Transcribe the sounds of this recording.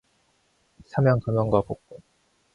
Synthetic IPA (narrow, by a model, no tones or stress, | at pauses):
sʰamjʌŋkamjʌŋɡwapok̚k͈o